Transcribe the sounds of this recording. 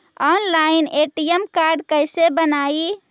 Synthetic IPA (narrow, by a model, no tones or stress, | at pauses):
ɔnlaineʈijəmkaɾɖkəɪsebənai